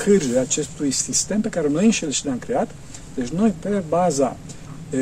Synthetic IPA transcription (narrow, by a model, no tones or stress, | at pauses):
kʰɨrʒeat͡ʃe̞st̪ujsist̪e̞mpe̞kaɾe̞no̞jɨnʃelʃineamkɾe̞at̪ | d̪e̞t͡ʃʲno̞jpe̞baza